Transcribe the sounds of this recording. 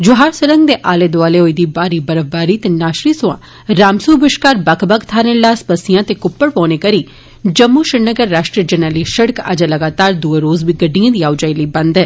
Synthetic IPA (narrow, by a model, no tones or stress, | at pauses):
d͡ʒʊɦaːɾsəɾə̃ŋɡd̪eːʔaːleːd̪ʊaːleːɦoːiːd̪iːbaːɾiːbəɾəʋbaːɾiːt̪eːnaːʃɾiːsʊã̰ː | ɾaːmsuːbɪʃkaːɾbəkʰbəkt̪ʰaːɾẽlaːspəsɪjãːt̪eːkʊpːəɽpɔːneːkəɾiː | d͡ʒəmːuːʃɪɽnəɡəɾːaːʃʈɾid͡ʒənɛːliːʃəɽəka̰d͡ʒaləɡaːt̪aːɾd̪uːeɾoːzbiːɡəɖːijãːd̪iːaːʊd͡ʒaːiləibə̃nd̪ɛː